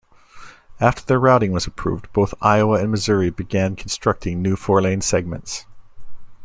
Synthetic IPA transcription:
æftʰə˞ðə˞ɹaʊɾɪ̃ŋwʌzəpʰɹ̥ʉ̰vdboʊθa̰ɪəʊəɨ̃nmɨzʊɹibɨɡæ̃nkʰn̩stɹ̥ʌk̚tʰɪ̃ŋnʉfɔɹlẽɪ̃nsɛɡ̚mɨ̰̃nts

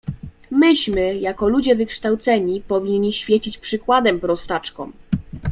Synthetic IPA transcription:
mɘɕmɘjakɔlud͡ʑɛvɘkʂt̪awt̪sɛɲipɔvʲiɲːiɕfʲjet͡ɕit͡ɕpʂɘkwad̪ɛmpɾɔst̪at͡ʂkɔ̰m

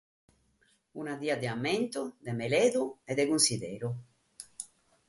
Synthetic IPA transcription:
unaðiad̪eament̪od̪emeleðueðekunsiðeɾu

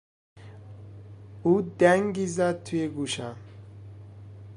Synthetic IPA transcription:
ud̪aŋɡizat̪ʰujeɡuʃa

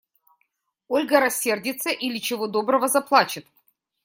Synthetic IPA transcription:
olʲɡəɾɐsʲːe̞rdʲɪt̪səʔilʲɪt͡ɕɪvod̪o̞bɾəvəzɐplˠat͡ɕɪt̪

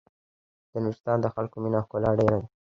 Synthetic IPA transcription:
d̪̥ənwɪst̪ɑnd̪əxalkominɑkolɑɖeɾad̪i

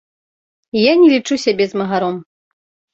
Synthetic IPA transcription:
janʲɛlʲit͡ʂusʲabʲɛzmɐɣaɾɔm

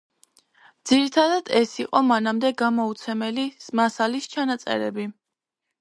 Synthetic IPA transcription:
d̪z̥iɾit̪ʰad̪ad̪̥ɛsiqʼɔmanamd̪ɛɡamɔut̪sʰɛmɛlismasalist͡ʃʰanat̪sʼɛ̰ɾɛbi

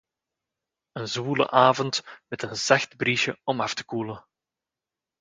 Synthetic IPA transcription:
ənzβuːlə̰ʔaːvɔntmɛtənzɑxtbriʃəɔmɑftə̥kuːlə

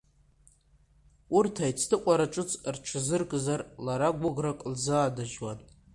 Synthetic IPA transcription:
urtʰajt͡sʰtʰɨqʷʼaɾaʈ͡ʂʼɨt͡sʰʼrʈ͡ʂʰɨzɨrkʼzarlaɾaɡʷʊɡrakʷʼlzaːdaʒwan

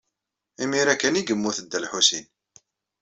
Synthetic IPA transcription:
imiɾækːæniɡəmːuθəd̪ːælħusin

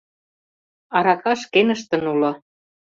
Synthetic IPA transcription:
ɑɾɑkɑʃkenə̆ʃt̪ə̆nulɤ̆

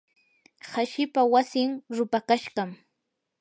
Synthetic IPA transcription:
haʃɪpawasɪŋɾʊpakaʃɢɑm

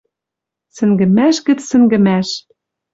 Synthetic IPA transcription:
sɘ̆ŋɡɘ̆mæʃɡɘ̆t͡ssɘ̆ŋɡɘ̆mæʃ

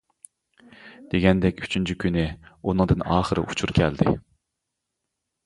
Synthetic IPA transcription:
d̪̥eɡʲɛnd̪ɛkʲyt͡ʃʰynt͡ʃʰikʲʰynɪunɨŋd̪ɨnɑːχəɾɨ̰ʔut͡ʃʰuɾkʲʰɛld̪ɪ̰

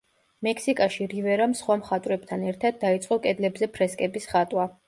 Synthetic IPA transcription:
mɛkʰsikʼaʃiɾivɛɾamsχwamχat̪ʼwɾɛb̚t̪ʰanɛɾt̪ʰad̪̚ːait̪sʼqʼɔkʼɛd̪lɛbzɛpʰɾɛskʼɛbisχat̪ʼwa

